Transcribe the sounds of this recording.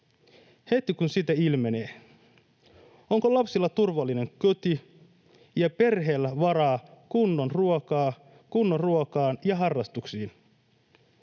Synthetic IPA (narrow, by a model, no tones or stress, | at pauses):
he̞t̪ikunsit̪æilme̞ne̞ː | o̞ŋkolɑpsilːɑt̪urʋɑlːine̞ŋkøt̪i | jɑpe̞rɦe̞ːlːæʋɑɾɑːkunːo̞nruokɑː | kunːonruokɑːnjɑɦɑrːɑst̪uksiːn